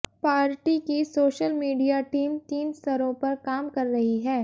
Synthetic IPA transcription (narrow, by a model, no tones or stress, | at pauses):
paːɾʈikisoːʃəlmiːɖijaʈiːmt̪iːnst̪ʰɐɾõpɐɾkaːmkɐɾːɐɦiɦɛː